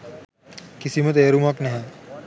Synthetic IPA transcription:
kisimət̪̬eːɾumaknɛɦɛ̃

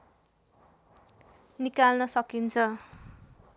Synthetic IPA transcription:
nikalnʌsʌkint͡sʰʌ

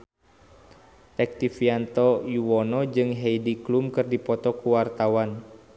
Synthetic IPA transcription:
t̪ɛk̚t̪ifiant̪ɔjuwɔnɔd͡ʒɨŋɦɛidiklumkɨrdipɔt̪ɔkuwart̪awan

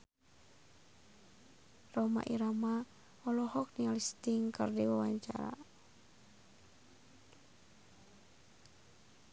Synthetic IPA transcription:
rɔma̰ʔiɾama | ɔlɔhɔk̚nialist̪iŋkərdiwawaɲt͡ʃa̰ɾa̰

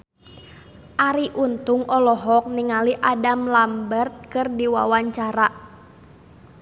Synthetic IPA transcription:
ʔaɾiʔunt̪ʊŋʔɔlɔɦɔk̚niŋaliʔadamlambərt̪̚kɨrdiwa̰waɲt͡ʃaɾaʔ

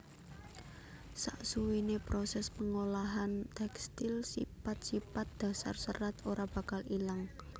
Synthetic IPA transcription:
sa̰ʔsuwinepɾosɛspəŋolaɦant̪ɛkst̪ilsḭpat̪̚sipat̪̚d̪̥ä̤sa̰rsəɾat̪oɾab̥a̤kalilaŋ

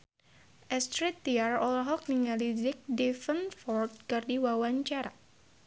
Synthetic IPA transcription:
ʔɛst̪ɾit̪ːiarɔlɦɔk̚niŋalizɪk̚difənfɔrt̪̚kɨrdiwawaɲt͡ʃaɾa

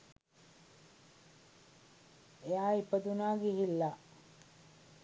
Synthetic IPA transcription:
ejaːipəd̪unaːɡeɦilːa

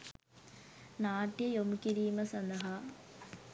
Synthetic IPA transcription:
naːʈjɐjomkiɾiːmɐsɐnd̪ɐɦa

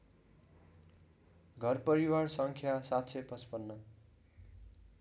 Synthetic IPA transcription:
ɡʱʌrpʌɾiwarsʌŋkʰjasatt͡sʰepʌspʌnːʌ

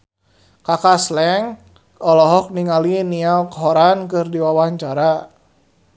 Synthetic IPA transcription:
kakaslɛŋ | ɔlɔɦɔk̚niŋalinialkɔɦɔɾankɨrdiwawaɲt͡ʃaɾa

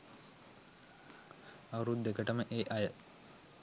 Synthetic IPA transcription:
ɐʋəɾud̪ːekəʈəməʔeːʔɐjə

